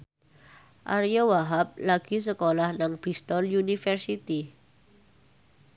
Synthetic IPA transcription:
ʔa̰ɾijawaɦap̚laɡ̥i̤s̬əkolahnaŋb̥ist̪ɔljunifərsit̪i

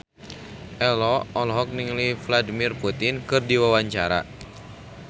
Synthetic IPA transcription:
ʔɛlɔɔlɦɔk̚niŋlifladimirput̪inkɨrdiwawaɲt͡ʃaɾa̰

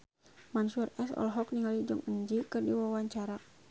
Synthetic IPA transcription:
mansurɛsɔ̰lɦɔkniŋalid͡ʒɔŋəɲd͡ʒikɨrdiwawaɲt͡ʃaɾa

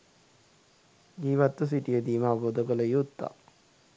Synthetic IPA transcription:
d͡ʒiːʋat̪ːəs̬iʈijəd̪iːməaboːd̪əkələjut̪ːa̰

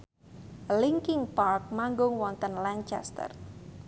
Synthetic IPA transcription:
liŋkɪŋpark̚maŋɡʊŋwɔnt̪ənlant͡ʃɛ̰st̪ə̰r

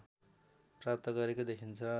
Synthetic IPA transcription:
prap̚t̪ʌɡʌɾekod̪ekʰint͡sʰʌ

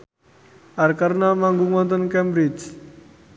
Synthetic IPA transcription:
aɾkaɾnamãŋɡumɔ̃nt̪ənkɛmbɾid͡ʒ

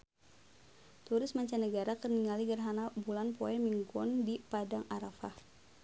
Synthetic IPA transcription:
t̪uɾɪsmaɲt͡ʃanəɡaɾakərniŋaliɡərɦanabulanpoɛmiŋɡɔ̰ndipadaŋaɾafah

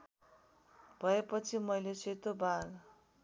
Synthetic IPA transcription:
b̥ʱʌepʌt͡sʰimʌjleset̪obʱaɡ

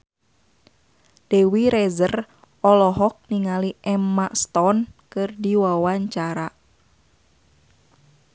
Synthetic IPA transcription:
d̥ɛwiɾɛzər | ɔlɔɦɔk̚niŋaliʔɛmːaʔst̪ɔnkɨrdiwawaɲt͡ʃaɾa

